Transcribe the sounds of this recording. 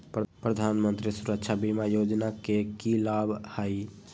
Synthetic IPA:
ppɾəd̪ʱanmənt̪ɾisuɾəkt͡ʃʰabimajod͡ʒnakekilabʱhəj

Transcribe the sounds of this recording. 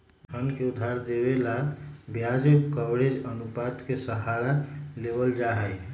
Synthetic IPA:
ɦʰənkeud̪ʱːaɾd̪ebelabjad͡ʒekawɽed͡ʒənupad̪kesəɦaɾalebəld͡ʒaɦəj

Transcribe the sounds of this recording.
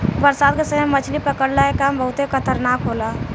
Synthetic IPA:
bəɾsad̪̚kesəmɛmət͡ʃʰlipɾəkəɽlaekambəɦut̪ɦekət̪ʰəɾnakɦola

